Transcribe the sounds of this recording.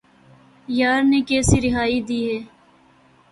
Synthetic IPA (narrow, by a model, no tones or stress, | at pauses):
jaːɾnekeːsiɾɪɦaːid̪iːɦɛː